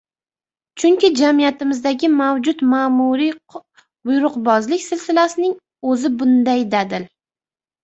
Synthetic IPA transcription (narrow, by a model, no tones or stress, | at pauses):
t͡ʃʰʊŋkʲɪd͡ʒamijat̪ɪmɪzd̪aɡʲɪmawd͡ʒʊt̪maːmuɾi | bʊjɾʊqbɒzlɪkʲsɪlsɪlasɪnɪŋ | ɵzɪbʊnd̪ajd̪ad̪ɪl